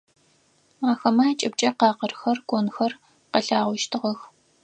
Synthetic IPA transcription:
aːxɐmaːt͡ʃʼɪb̚t͡ʃʼɐqɑːqərxɐrɡʷonxɐr | qɐɬaːʁʷʊʃtʰɨʁɐx

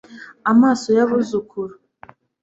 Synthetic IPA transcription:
amasɔjaβuzukʰuɾu

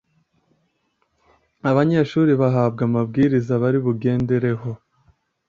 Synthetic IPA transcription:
aβaɲeːʃuːɾiβaɦaːbɡamabɡiːɾizaβaɾiβuɡe̞ːndeɾe̞ɦo̞

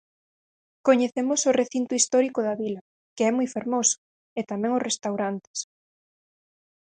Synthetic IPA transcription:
koɲeθemʊsʊreθint̪ʊist̪ɔɾikʊðɐβilɐ | kɪɛmujfeɾmosʊ̥ | et̪amɛ̃ŋʊsrest̪awɾant̪e̥s

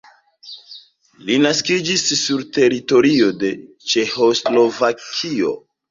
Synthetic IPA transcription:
linaskid͡ʒisːuɾte̞ɾito̞ɾio̞de̞ | t͡ʃe̞ho̞slo̞vakʰio̞̰

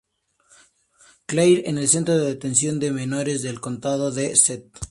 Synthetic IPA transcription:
klejɾene̞lse̞nt̪ɾoðeðet̪e̞ns̬jo̞nd̪e̞me̞no̞ɾe̞zðe̞lko̞nt̪aðo̞ðeset̪̚

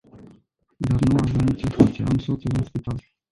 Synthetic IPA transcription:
d̪arnuavənit͡ʃesusij̰a̰msot̪sulɨnspit̪al

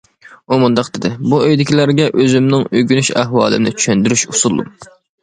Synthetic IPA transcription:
umund̪ɑqd̪ɪd̪ɪbuøjd̪ɪkʲilæɾɡʲɛʔøzymnɪŋøɡʲynyʃæɦwɑːlˠɨ̰mnɪ̰t͡ʃʰy̥ʃɛnd̪yɾyʃusulˠːṵ

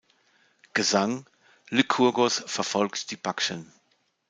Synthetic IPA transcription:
ɡ̥əzaŋ | lɪkʰuɐɡosfɛɐfɔlktd̥iːbakʃən

